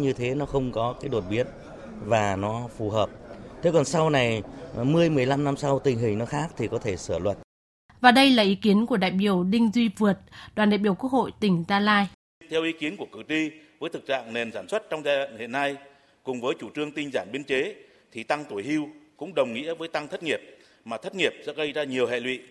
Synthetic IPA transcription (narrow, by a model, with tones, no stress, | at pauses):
ɲɨ˧t̪ʰe˨˦nɔ˨˦xə˧wŋ͡mkɔ˨˦kaː˨˦jɗo˨˩t̚ɓi˨˦ən | vaː˨˩nɔ˨˦fu˨˩ɦəː˨˩p̚t̪ʰe˨˦kɔ˨˩nsa˧wna˨˩jmɨ˨˧əjmɨ˨˩əjla˧mna˧msa˧wt̪ï˨˩ŋ̟ɦï˨˩ŋnɔ˨˦xaː˦˥k̚t̪ʰi˨˩kɔ˨˦t̪ʰe˧˩sɨː˧˩lwə˨˩t̚ | vaː˨˩ɗə˧jlaː˨˩ʔi˨˦ki˨˦ənku˧˩əɗa̰ː˧˨jɓi˧˩əwɗï˧ŋ̟zwi˧vɨ˨˩ət̚ɗwaː˨˩nɗaː˧˨jɓəwku˦˥ək̚ho̰˧˨jt̪ï˧˩ŋ̟zaː˧laː˧j | t̪ʰɛ˧wʔi˨˦ki˨˦ənku˧˩əkɨ˨˩k̚ti˧vəː˨˦jt̪ʰɨ˨˩k̚t͡ɕa̰ː˧˨ŋne˨˩nsaː˧˩nswə˦˥t̚t͡ɕɔ˧wŋ͡mzaː˧a̰˧˨ŋhḛ˧˨nːa˧j | kʊ˨˩ŋ͡mvəː˨˦jt͡ɕu˧˩t͡ɕɨ˧əŋt̪ï˧ŋ̟zaː˧˩nɓi˧ənt͡ɕe˨˦ | t̪ʰi˨˩t̪a˧ŋt̪u˧˩əjhi˧wkʊ̰˧˥ŋ͡mɗə˨˩wŋ͡mŋḭ˧˥əvəː˨˦jt̪a˧ŋt̪ʰə˦˥t̚ŋi˨˩əp̚ | maː˨˩ə˦˥t̚ŋi˨˩əp̚sɛ̰˧˥ɣə˧jzaː˧ɲi˨˩əwhḛ˧˨lwḭ˧˨